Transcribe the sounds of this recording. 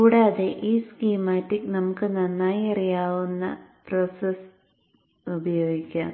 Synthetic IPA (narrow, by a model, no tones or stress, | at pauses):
kuːɽaːðeʔiːskiːmaːtːiknɐmukːɨnɐnːaːjɐrijaːʋunːɐ̰prosɐs | ubɐjoːɡikʲːaːn